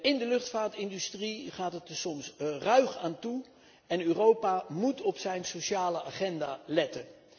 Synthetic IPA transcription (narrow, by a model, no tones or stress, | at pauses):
ɪndəlɵχtfaːɹtɪndystriχaːtətəsɔmsrœɥχaːntu | ɛnøːrowpamutɔpsɛjnsoʃaːləaːχɛnda̰ːlɛtən